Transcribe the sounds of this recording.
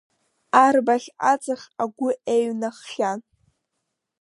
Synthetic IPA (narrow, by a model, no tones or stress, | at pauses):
arbaχʲat͡sʼaχʲaɡʷʊʔeɥnaχːʲan